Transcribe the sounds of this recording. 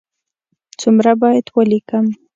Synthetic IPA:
t͡sʊmɾabɑjat̪walɪkam

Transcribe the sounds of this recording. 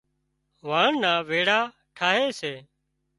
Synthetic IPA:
ʋaːɳnaːʋeːɽaː | ʈʰaːɦeːseː

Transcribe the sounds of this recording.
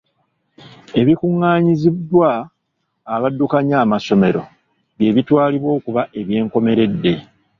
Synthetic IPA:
e̞βikuŋːaːɲizidːwaː | βadːukaɲaːmaso̞me̞ɾo̞̰ | βje̞ːβitwaːliβwo̞ːkuβaʔe̞βje̞ːŋko̞me̞ɾe̞dːe̞

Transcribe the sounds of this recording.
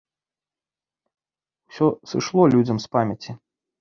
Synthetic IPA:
wsʲɔsɨʂlˠɔlʲud͡zʲɐmspamʲɐt͡sʲi

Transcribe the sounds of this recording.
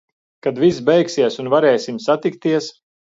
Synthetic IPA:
kad̪vis̬bɛjksiɛsunvaɾɛːjsimsat̪ik̚t̪iɛs

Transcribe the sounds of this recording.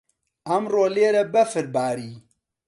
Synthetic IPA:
ɐmroːleːɾɐbɐfɨɾbaːɾiː

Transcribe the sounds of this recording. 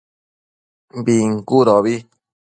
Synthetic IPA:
biŋ̩kuɾoβi

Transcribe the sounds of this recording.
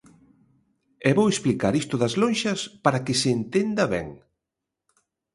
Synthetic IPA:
ɛβowesplikaɾist̪ʊðɐzlõnʃɐspaɾakɪseːnt̪end̪ɐβɛ̰ŋ

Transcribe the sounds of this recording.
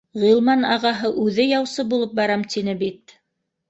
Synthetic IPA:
ʁilˠmɑnɑʁɑɦɤʔʉðɘjɑwsɤbulˠɤp̚bɑɾɑmt̪inɘbit̪

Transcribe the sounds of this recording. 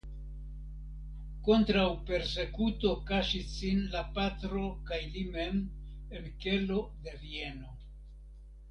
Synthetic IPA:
ko̞ntɾawpe̞ɾse̞kuto̞kaʃisinlapatɾo̞kajlime̞m | elke̞lo̞de̞vie̞no̞

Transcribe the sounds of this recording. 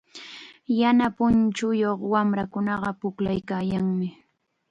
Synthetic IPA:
janapʊnt͡ʃʊjoχwamɾakʊnɑɢɑpʊklajkaːjaŋmɪ

